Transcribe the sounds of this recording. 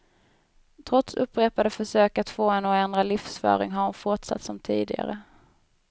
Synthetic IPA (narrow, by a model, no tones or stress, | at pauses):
t̪ʰɾɔt̪sɵpːɾeːpad̪əfœʂøːkat̪foːɛnɔɛnd̪ɾalifsfœ̰ːɾɪ̰ŋɦaɾʊnfʊʈʂa̰t̪ːsɔmt̪ʰiːd̪ɪɡa̰ɾə